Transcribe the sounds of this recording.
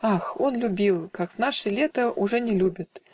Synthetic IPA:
axonlʲʊbʲilˠkakvnaʂɨlʲet̪əʔʊʐɛnʲɪlʲubʲɪt̪

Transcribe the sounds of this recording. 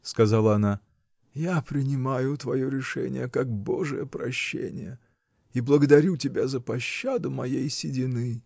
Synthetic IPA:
skɐzalˠəɐna | japɾʲɪnʲɪmajʊt̪vɐjoɾʲɪʂɛ̰nʲɪ̰jəkak̚boʐɨjəpɾɐɕːḛnʲɪ̰jə | iblˠəɡəd̪ɐɾʲutʲɪbʲazəpɐɕːad̪ʊmɐjejsʲɪdʲɪnɨ

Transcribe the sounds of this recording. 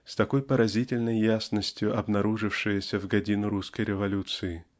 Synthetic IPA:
st̪ɐko̞jpəɾɐzʲitʲɪlʲnəjːasnəsʲtʲjʊʔɐbnɐɾuʐɨfʂɨjəsʲəvɡɐdʲinʊɾuskəjɾʲɪvɐlʲut̪sɨɪ

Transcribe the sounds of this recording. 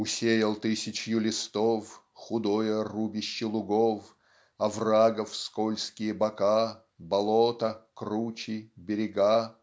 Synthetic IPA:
ʊsʲejəlˠt̪ɨsʲɪt͡ɕjʊlʲɪst̪of | xʊd̪ojərubʲɪɕːɪlˠʊɡof | ɐvraɡəfskolʲskʲɪjəbɐka | bɐlˠot̪əkrut͡ɕɪbʲɪɾʲɪɡa

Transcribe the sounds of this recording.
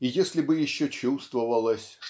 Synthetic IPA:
ɪjesʲlʲɪbɨjɪɕːot͡ɕust̪vəvəlˠəsʲʂ

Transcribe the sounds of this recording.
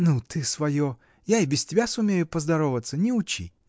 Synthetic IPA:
nut̪ɨsvɐjo | jaɪbʲɪstʲɪbʲasʊmʲejʊpəzd̪ɐɾovət̪sənʲɪʊt͡ɕḭ

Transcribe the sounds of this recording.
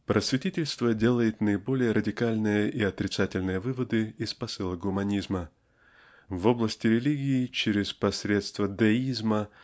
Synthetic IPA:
pɾʔəsvʲɪtʲitʲɪlʲst̪vədʲe̞lˠəjɪt̪nəɪbo̞lʲɪjəɾədʲɪkalʲnɨjəʔiɐt̪ɾʲɪt̪satʲɪlʲnɨjəvɨvəd̪ɨɪspɐsɨlˠəɡʊmɐnʲizmə | vo̞blˠəsʲtʲɪɾʲɪlʲiɡʲɪːt͡ɕɪɾʲɪspɐsʲɾʲe̞t̪st̪vəd̪ɐizmə

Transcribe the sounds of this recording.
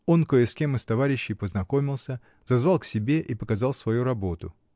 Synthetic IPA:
o̞nkoɪskʲemɨst̪ɐvaɾʲɪɕːɪjpəznɐko̞mʲɪlˠsʲə | zɐzvɑlˠksʲɪbʲe̞ʔipəkɐzɑlˠsvɐjuɾɐbo̞t̪ʊ̰

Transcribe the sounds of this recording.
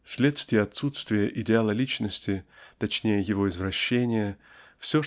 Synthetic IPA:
sʲlʲe̞t̪st̪ʲvʲɪjəɐt̪sut̪st̪vʲɪjəʔɪdʲɪalˠəlʲit͡ɕnəsʲtʲɪt̪ɐt͡ɕnʲejəjɪvo̞ɪzvɾɐɕːenʲɪjə | fsʲo

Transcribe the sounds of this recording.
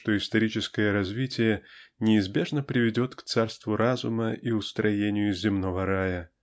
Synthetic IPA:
ʂt̪o̞ɪst̪ɐɾʲit͡ɕɪskəjəɾɐzʲvʲitʲɪjənʲɪːzbʲe̞ʐnəpɾʲɪvʲɪdʲo̞t̪kt̪sarst̪vʊɾazʊməʔiʊst̪ɾɐjenʲɪjʊzʲzːʲɪmno̞vəɾajə

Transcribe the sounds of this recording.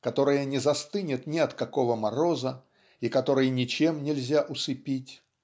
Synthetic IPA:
kɐt̪o̞ɾɨjənʲɪzɐst̪ɨnʲɪt̪nʲɪɐt̪kɐko̞vəmɐɾo̞zə | ikɐt̪o̞ɾɨjnʲɪt͡ɕe̞mnʲɪlʲzʲaʔʊsɨpʲitʲ

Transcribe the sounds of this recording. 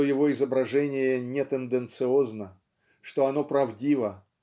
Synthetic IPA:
ojɪvo̞ɪzəbɾɐʐɛnʲɪjənʲɪt̪ənd̪ɨnt̪sɨo̞znə | ʂt̪o̞ɐno̞pɾɐvdʲivə

